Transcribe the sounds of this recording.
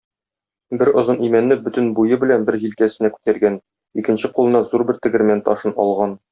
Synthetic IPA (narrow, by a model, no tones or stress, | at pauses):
bɘɾŏzɤnimænːɘbɵt̪ɘ̆nbujɤbɘ̆lænbɘɾʑilkæsɘ̆nækʉ̥t̪æɾɡæn | ikɘ̆nɕɘqulˠɤ̆nɑzuɾbɘɾt̪ɘ̆ɡɘ̆ɾmænt̪ɒʃɤnɒ̰lˠʁɑn